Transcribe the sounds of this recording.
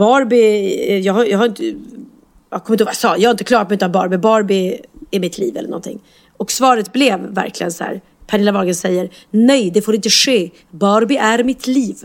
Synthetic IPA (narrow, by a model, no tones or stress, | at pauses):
bɑːɾbɪjɑːɡhajɑːɡhaɾɪnt̪ə | ɑkʰɔmɪnt̪hoːvajasɑːjɑɡhaɪnt̪əklɑːɾt̪̚mɛʉ̟ːt̪anbɑːɾbɪbɑːɾbɪæɾmɪt̪ʰlḭːvɛlːə̰ɳɔ̰nt̪ʰɪ̰ŋː | ɔksvɑːɾət̪blɛvːæ̰ɾklɪ̰ɡənsæ̰ːɾ | pʰanɪlavɑːɡənsɛjːəɾ | nɛjd̪ɛfoːɾɪnt̪əʂeː | bɑːɾbɪʔæɾmɪt̪ʰliːv